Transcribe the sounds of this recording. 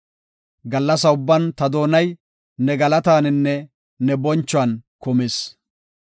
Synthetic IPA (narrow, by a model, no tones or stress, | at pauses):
ɡɐlːɐsɐʊbːɐnt̪ɐd̪o̞ːnɐj | nɛɡɐlɐt̪aːnɪnːɛ | nɛbɔnt͡ʃːʊɐnkʊmɪs